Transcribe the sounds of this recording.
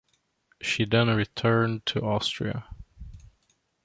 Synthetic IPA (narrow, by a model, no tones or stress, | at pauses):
ʃiðɛ̃nɹitʰɜ̃˞ntʰɨɔstɹ̥ḭə̰